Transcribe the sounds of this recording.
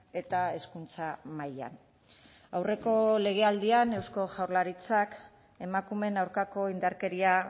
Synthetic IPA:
e̞t̪ae̞skunt͡samaja̰n | awre̞ko̞le̞ɣ̞e̞ald̪iane̞wsko̞ʝawɾlaɾit͡sak | e̞makume̞nawɾkako̞ind̪aɾke̞ɾia

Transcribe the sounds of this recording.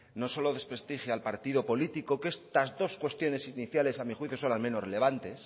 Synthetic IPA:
no̞so̞loðe̞spɾe̞st̪ixjalpaɾt̪iðo̞po̞lit̪iko̞ke̞st̪azðo̞skwe̞st̪jo̞ne̞siniθjale̞samixwiθjo̞so̞nlamẽ̞nore̞le̞β̞ant̪e̞s

